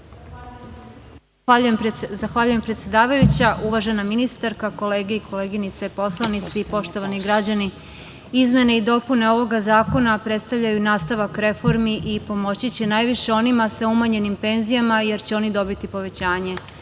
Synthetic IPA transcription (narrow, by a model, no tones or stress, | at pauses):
uemzaxʋaʎuje̞mpɾet̪sje̞d̪aːʋajut͡ɕaʔuʋaʒe̞naminist̪aɾkako̞le̞ːɡeiko̞le̞ːɡinit̪se̞po̞slˠanit̪sipo̞ʃt̪o̞ʋaniɡɾad͡ʑani | izme̞neid̪o̞pune̞o̞ʋo̞ɡazaːko̞napɾe̞t̪st̪aʋʎajunaːst̪aʋakɾe̞fo̞ɾmiʔipo̞mo̞t͡ɕit͡ɕenaːjʋiʃe̞o̞nimasaumaɲe̞nimpe̞nzijamaje̞ɾt͡ɕeo̞nid̪o̞bit̪ipo̞ʋe̞t͡ɕaːɲe̞